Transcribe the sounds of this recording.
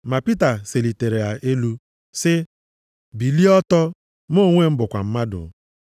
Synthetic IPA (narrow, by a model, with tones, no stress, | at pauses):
ma˨pi˦ta˨se˨li˨te˨ɾe˨a˨ʔe˦lu˦ | sɪ˦ | bi˨li˦ɔ˦tɔ˦ | mo˦˨ŋʷe˦m̩˦bʊ˨kʷa˨m̩˦ma˦dʊ̰˨